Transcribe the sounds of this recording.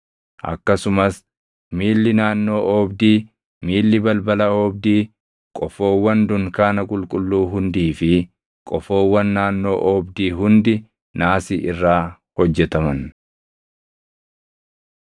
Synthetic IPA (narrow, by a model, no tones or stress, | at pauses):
ʔɐ̰kːɐsʊmɐs | miːlːɪnaːnːo̞ːʔɔbd̪iː | miːlːɪbɐlbɐlɐɔːbd̪iː | kʼɔfo̞ːwːɐnd̪ʊŋkaːnɐkʼʊlkʼʊlːuːɦʊnd̪iːfɪ | kʼɔfoːwːɐnːaːnːo̞ːʔɔbd̪iːɦʊnd̪ɪ | naːsiːʔɪrːaː | hɔd͡ʒːɛt̪ɐmɐn